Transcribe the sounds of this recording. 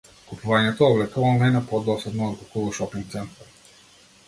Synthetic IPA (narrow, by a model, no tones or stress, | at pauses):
kupuvaɲɛt̪ɔːvlɛk̪ɔvalnɛnapɔd̪ɔsɛd̪nɔːd̪ɡukulɔʃɔpiŋk̚t̪sɛnt̪a